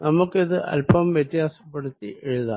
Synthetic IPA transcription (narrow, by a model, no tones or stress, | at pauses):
nɐmɐkːiðɯʔɐ̰lpɐmʋjɐt̪ːɪjaːsɐpːɐɽɯt̪ːiʔɛɻɯða̰ː